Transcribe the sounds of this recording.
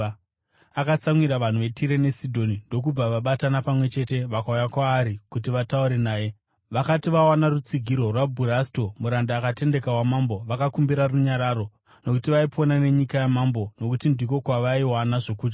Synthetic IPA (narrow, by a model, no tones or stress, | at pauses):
akat͡saŋwiɾaʋan̤uʋe̞tiɾe̞ne̞sidʱo̞nindo̞k̬ub͡vaʋaɓatanapamwe̞t͡ʃe̞te̞ʋakaujakwaːɾikutiʋatauɾe̞naːje̞ | ʋakatiʋawanarut͡siɡʱiɾo̞rwabʱuɾasto̞muɾandaːkate̞nde̞kawamambo̞ʋakakumbiɾaruɲaɾaːɾo̞ | no̞kutiʋaiponane̞ɲikajamaːmbo̞no̞kutindiko̞kwaʋaiwanaʐo̞kuːd͡ʒa